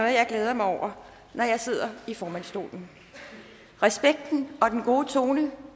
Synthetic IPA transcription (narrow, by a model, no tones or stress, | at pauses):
o̽ðˠjɑ̈ɪɡ̥leːð̞ˠɐmɑɪɒʊ̰ɐ | nɒjɑ̈ɪse̝ð̞̰ˠɐifɒːmæn̰sd̥o̝̰ːln̩ | ʁɛsb̥eɡ̥̚d̥n̩ɒ̽d̥enɡ̥o̝ːət͡sʰo̝ːnə